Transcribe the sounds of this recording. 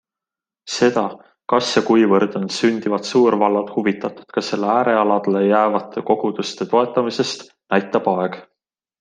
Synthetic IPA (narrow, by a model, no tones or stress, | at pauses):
se̞d̪̥ɑ | kɑsjekujvɤrd̪̥o̞nsynʲd̪̥ivɑd̪̥suːɾvɑlːɑd̪̥huvit̪ːˑɑt̪ˑu̥d̪̥kɑse̞lːeæːɾe̞ɑlɑd̪̥elejæːvɑt̪ʰːˑe̞ko̞ɡ̥ud̪̥ust̪e̞t̪o̞e̞t̪ˑːɑmise̞st̪ | næjt̪ːˑɑb̥ɑe̞ɡ̥